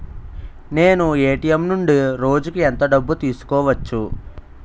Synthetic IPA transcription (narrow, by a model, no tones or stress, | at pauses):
ne̞ːnueːʈijemnuɳɖiɾo̞ːd͡ʒukiɛnt̪ɐɖɐbːut̪iːsu̥kɔːʋɐt͡ʃːu